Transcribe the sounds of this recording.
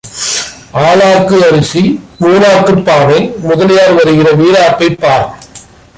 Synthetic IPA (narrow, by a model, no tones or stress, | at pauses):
aːlaːkːɯɐɾɯsimuːnaːkːɯpːaːnɐɪmʊðɐlɪjaːɾʋɐɾɯɣɪrɐʋiːɾaːpːɐɪpːaːɾ